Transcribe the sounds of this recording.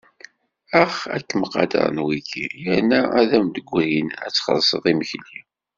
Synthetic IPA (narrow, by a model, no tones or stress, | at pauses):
æχæ̰kːəməqːɑ̰d̪ɑ̰ɾˤnwikḭjəɾnːææðæmd̪əɡʷːhinæ̰t͡sːχə̰ðsˤəðˤiməçli